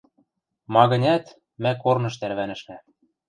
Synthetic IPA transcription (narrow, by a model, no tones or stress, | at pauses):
mɑɣɤ̆nʲæt̪ | mækornɤ̆ʃt̪æɾβænɘ̆ʃmæ